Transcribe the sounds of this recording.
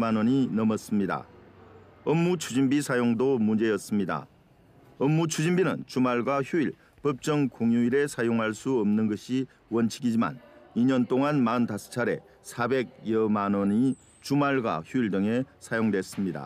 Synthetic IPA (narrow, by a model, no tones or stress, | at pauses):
manwʌɲinʌmʌs͈ɯmɲida̰ | ʌmːut͡ɕʰud͡ʑimbisʰajoŋdomund͡ʑe̞jʌs͈ɯmɲida̰ | ʌmːut͡ɕʰud͡ʑimbinɯnt͡ɕumaɭɡwaçjuiɭ | pʌp̚t͡ɕ͈ʌŋkoŋjuiɾe̞sʰajoŋɦaɭs͈uʌmnɯnɡʌɕʰi | wʌnt͡ɕʰiɡid͡ʑima̰niɲʌnt͈oŋanmaɯntasʰɯ̥t͡ɕʰaɾe̞̰ | sʰabe̞ɡ̚jʌmanʌni | t͡ɕumaɭɡwa̰çjuiɭdɯŋe̞sʰajoŋdwes͈ɯmɲida̰